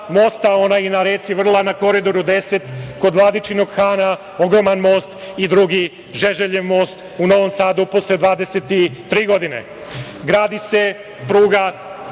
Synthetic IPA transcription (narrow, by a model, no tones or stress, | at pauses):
moːst̪ao̞najnaɾeːt̪siʋr̩lˠanako̞ɾid̪o̞ɾud̪eset̪ko̞d̪ʋlˠad̪it͡ʃinoɡxaːna | o̞ɡɾo̞manmo̞ːst̪id̪ɾuɡi | ʒeʒeʎeʋmo̞ːst̪ | uno̞ʋomsaːd̪uposled̪ʋaːd̪eset̪it̪ːɾiːɡo̞d̪inḛ | ɡɾaːd̪ise̞ | pɾuːɡa